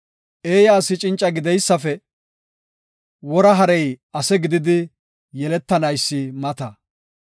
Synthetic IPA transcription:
ʔe̞ːjaːsɪt͡ʃʼɪnt͡ʃʼːɐɡɪd̪ɛjsːɐfɛ | wɔɾɐɦɐɾɛjɐsɛɡɪd̪ɪd̪ɪ | jɛlɛt̪ːɐnɐjsːɪmɐt̪ɐ

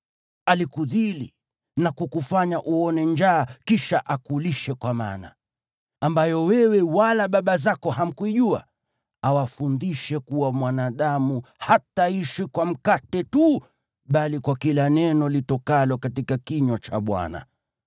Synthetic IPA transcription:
alikuðili | nakukufaɲaʔuɔnɛnd͡ʒaːkiʃaʔakuliʃɛkwama̰na̰ | ambajɔwɛwɛwalaɓaɓazakɔham̩kuiʄua | awafundiʃɛkuwamwanaːɗamuhataiʃikwam̩katɛtu | ɓalikwakilanɛnɔlitɔkalɔkatikakiɲwɔt͡ʃa̰ɓwa̰na̰

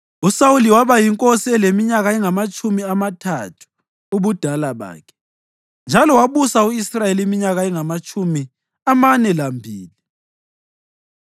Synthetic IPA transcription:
usawuliwaβajiŋkʼosiɛlemiɲaɣaɛŋamat͡ʃʼumiamatʰatʰu̥ | uβud̥ʱalaβa̰ːkʰɛ̥ | nd͡ʒʱalɔwaβusauisrajelimiɲaɣaɛŋamat͡ʃʼumi | amanɛlambʱiːli

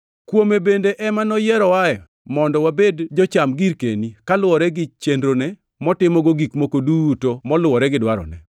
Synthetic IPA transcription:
kwomebendeʔɛmanɔjɛɾɔwajɔ̰ | mɔndɔwabedd͡ʒɔt͡ʃamɡiɾkḛnikalʊwɔɾɛɡɪt͡ʃendɾonɛ | mɔtɪmɔɡoɡikmokodutomɔlʊwɔɾɛɡɪdwaɾɔ̰nɛ̰

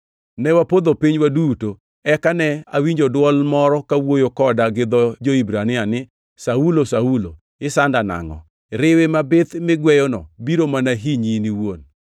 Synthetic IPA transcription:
nɛwapod̪opiɲwaduto | ɛkanɛa̰wiɲd͡ʒodwɔlmɔɾɔkawojokɔdaɡɪd̪ɔd͡ʒoibɾanɪanɪ | saulosaulo | ɪsandana̰ŋɔ̰ | ɾɪwɪmabɪt̪mɪɡwɛjɔnɔbiɾomanaɦiɲiniwon

